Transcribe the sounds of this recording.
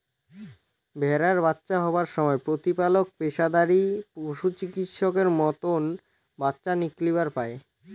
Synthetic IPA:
bʱɛɾaɾbatːɕaɦɔbaɾʃɔmɔepɾot̪ipalok̚peʃad̪aɾipoʃut͡ɕikit̪ʃɔkeɾmɔt̪on | batːɕaniklibaɾpae

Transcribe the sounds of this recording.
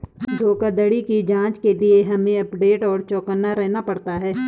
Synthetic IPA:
d̪ʱoːkad̪əɽikid͡ʒãːt͡ʃkelieɦɐmẽɐpɖeːʈɔːɾt͡ʃɔːkənːaɾɛɦnapɐɽt̪aɦɛː

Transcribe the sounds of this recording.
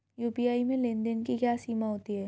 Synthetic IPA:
juːpijaːimẽlɪ̃nd̪ənkikjaːsiːmaɦoːt̪iɦɛː

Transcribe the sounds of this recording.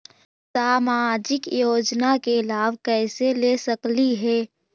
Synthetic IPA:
saːmaːd͡ʒɪkjoːd͡ʒnakelaːbkɛːselesəkliɦɛː

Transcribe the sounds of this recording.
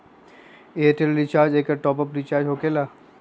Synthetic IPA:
eːʈelɾit͡ʃaːɾd͡ʒeːkəɾʈɔːpɔpɾit͡ʃaːɾd͡ʒɦoːkela

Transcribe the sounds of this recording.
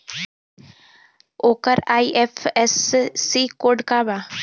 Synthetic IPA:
oːkəɾaːiʔefʰesːiːkoːɖkaːbaː

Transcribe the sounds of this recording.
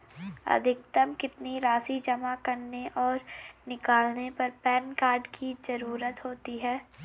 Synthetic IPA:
ɐ̰d̪ʱɪk̚t̪əmkɪt̪niɾaːsid͡ʒɐmakɐɾneʔɔːɾnɪkaːlnepɐɾpɛːnkaːɾɖkʰizɐɾuːɾət̪ɦoːt̪iɦɛː

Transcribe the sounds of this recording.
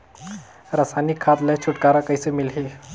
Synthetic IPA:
ɾəsanikʰːat̪lət͡ʃʰuʈkaɾakəjsəmilɦi

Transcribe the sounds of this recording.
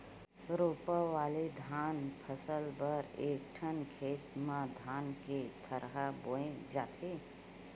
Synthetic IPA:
ɾoːpəʋaːled̪ʱaːnpʰəsəlbəɾeːk̚ʈʰənkʰeːt̪mãd̪ʱaːnket̪ʰəɾɦaboːẽd͡ʒaːt̪ʰe

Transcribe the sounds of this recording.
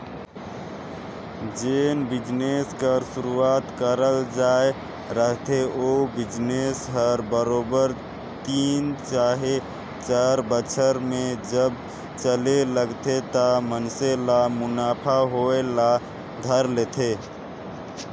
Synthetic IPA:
d͡ʒenbid͡ʒneskəɾsuɾuat̪kəɾəld͡ʒae | ɾəɦt̪ʰeʔobid͡ʒnesɦəɾbəɾobəɾ | t̪int͡ʃaɦe | t͡ʃaɾbət͡ʃʰəɾmed͡ʒəb | t͡ʃəleləɡt̪ʰet̪əmənselamunapʰaɦoela | d̪ʱəɾlet̪ʰe

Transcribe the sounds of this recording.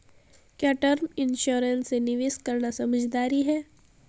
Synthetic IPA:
kjaːʈəɾmɪnʃoːɾənsenɪʋɪskɐɾnasɐməd͡ʒd̪aːɾiɦɛː

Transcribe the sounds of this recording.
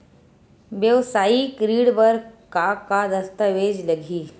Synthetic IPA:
ʋjəʋsaikɾiːɽbəɾkakad̪əst̪əʋed͡ʑləɡʱiː

